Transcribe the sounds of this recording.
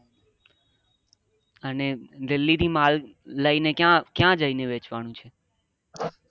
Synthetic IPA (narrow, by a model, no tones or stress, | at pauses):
əned̪ɪlːit̪imalːəinekjãkjãd͡ʒəineʋet͡ʃʋanũt͡ʃʰe